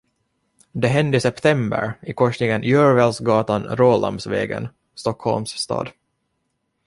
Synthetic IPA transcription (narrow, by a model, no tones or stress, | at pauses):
d̪ɛɦɛnd̪ɪsɛpt̪ʰɛmbə̰ɾɪkʰɔʂnɪɡənʔjœːɾvɛlsɡɑːt̪anɾoːla̰msvɛ̰ːɡə̰n | st̪ɔkhɔlmsst̪ɑ̰ːd̪